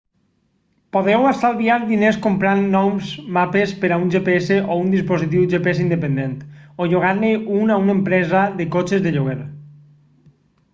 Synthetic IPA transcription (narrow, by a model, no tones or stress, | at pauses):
poðɛwasalβiaɾðineskompɾanːɔmzmapespeɾaunʲʒepeeseʔound̪ispozit̪̬iwʒepees̬ind̪epend̪ent̪oʎoɣ̞anːeunaunempɾɛzaðekot͡ʃezðeʎoɣ̞eɾ